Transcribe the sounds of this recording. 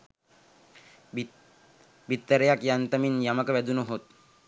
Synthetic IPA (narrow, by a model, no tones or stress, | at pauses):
bit̪ːəɾəjakjant̪əminjaməkəʋæd̪unəɦot̪̚